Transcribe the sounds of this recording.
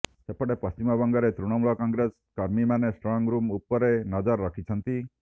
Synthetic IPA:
sepɔɽepɔst͡ʃimɔbɔŋɡɔɾet̪ɾuɽ̃ɔmuɭɔkɔŋɡɾes | kɔɾmimanesʈɾɔŋɡɾumupɔɾenɔd͡ʒɔɾːɔkʰit͡ʃʰʌnt̪i

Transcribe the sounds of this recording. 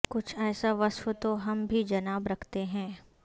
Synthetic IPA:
kʊt͡ʃʰɛːsaʋɐswət̪oɦɐmbʱid͡ʒɐnaːbɾɐkʰt̪eɦɛ̃ː

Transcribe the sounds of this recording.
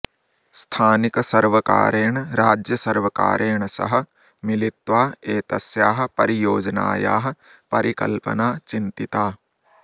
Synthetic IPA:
st̪ʰaːniksɐɾʋəka̰ːɾeːɳ̃ɾaːd͡ʒjɐsɐɾʋɐka̰ːɾeːɳsɐ̰ɦə̆ | mɪlɪt̪ʋaːeːt̪ɐsjaːɦpɐɾijoːd͡ʒna̰ːja̰ːɦɐ̆ | pɐɾikɐ̰lpɐ̰naːt͡ʃĩnt̪it̪aː

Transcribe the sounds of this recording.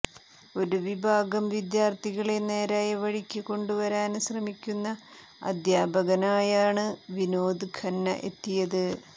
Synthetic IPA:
o̞ɾuʋibʱaːɡɐmʋid̪jaːrt̪ʰiɣɐɭene̞ːɾaːjɐʋɐɻikʲːɨko̞ɳɖuʋɐɾaːnɕrɐmikʲːunːɐ | ɐ̰d̪jaːbʱɐɣɐnaːjaːɳɨʋino̞ːd̪ɨkʰɐnːɐ̰ʔe̞̰t̪ːijɐðɨ

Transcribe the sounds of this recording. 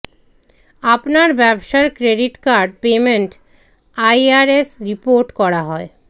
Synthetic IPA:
apnaɾbɛboʃaeɾkɾeɖiʈkaɾɖpemeɳʈ | ajaɾesɾipoɾʈkɔɾaɦɔe

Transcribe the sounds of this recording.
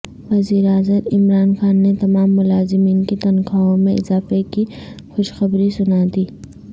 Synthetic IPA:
ʋɐziːɾaːzəmɪmɾaːnxaːnːet̪ɐmaːmːʊlaːzɪmiːnket̪ɐnkaõmẽɪzaːfeki | xʊʃxɐbɾisʊnaːd̪iː

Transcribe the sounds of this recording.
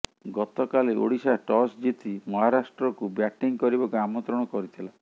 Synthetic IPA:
ɡɔt̪ɔkaleʔo̰ɽisaʈɔsd͡ʒit̪ʰimɔɦaɾasʈɾɔkubjaʈiŋkɔɾibɔkuamɔnt̪ɾɔɽ̃ɔkɔɾit̪ʰila

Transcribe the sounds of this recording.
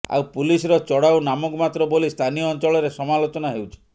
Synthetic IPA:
a̰wpulisɔɾɔt͡ʃɔɽawnamɔkɔmat̪ɾɔbolist̪ʰanijɔːnt͡ʃɔɭɔɾesɔmalot͡ʃɔnaɦewt͡ʃʰi̥

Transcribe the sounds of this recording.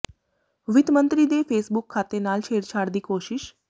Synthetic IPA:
ʋɪt̪mə̃nt̪ɾiːd̪eːpʰeːsbʊkʰːaːt̪eːnaːlt͡ʃʰeːɾt͡ʃʰaːɽd̪iːkoːʃɪʃ

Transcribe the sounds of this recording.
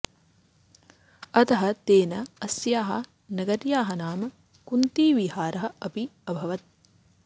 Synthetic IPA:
ɐt̪ɐɦɐ̆t̪eːnɐɐsjaːɦɐ | nɐɡɐɾjaːɦɐnaːmɐ | kunt̪iːʋiɦaːɾɐɦɐ̆ɐpiɐbʱɐʋɐt̪̚

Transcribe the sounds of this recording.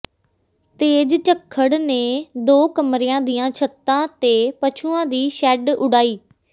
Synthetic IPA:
t̪eːd͡ʒt͡ʃəkʰːəɽneːd̪oːkəmɾeːãːd̪ɪjãːt͡ʃʰət̪ːãːt̪eːpət͡ʃʰuːãːd̪iːʃɛːɖʊɽaːiː

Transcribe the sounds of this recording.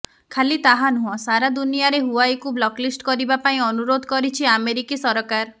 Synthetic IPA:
kʰalit̪aɦanuɔ̃saɾad̪unijaɾeɦuajkublɔklisʈkɔɾibapaĩɔnuɾod̪ʱɔkɔɾit͡ʃʰiameɾikisɔɾɔkaɾ

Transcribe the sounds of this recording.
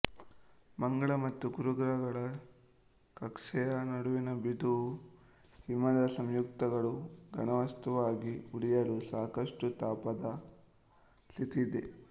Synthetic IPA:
mɐŋɡɐɭɐmɐt̪ːuɡuɾuɡɾɐɡɐɭɐ | kɐkʂɛjɐnɐɽuʋinɐbid̪uu | himːɐd̪ɐsɐmjuk̚t̪ɐɡɐɭuɡɐ̰ɳɐʋɐst̪uʋaːɡiuɽijɐlusaːkɐʂʈut̪aːpɐd̪ɐ | sit̪id̪e

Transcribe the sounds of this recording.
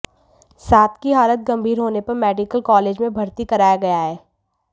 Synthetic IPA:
saːt̪ʰkiɦaːlət̪̚ɡɐ̃mbʱiːɾɦoːnepɐɾmɛːɖɪkəlkɔːleːd͡ʒmẽbʱɐɾt̪ikɐɾaːjaɡɐjaɦɛː

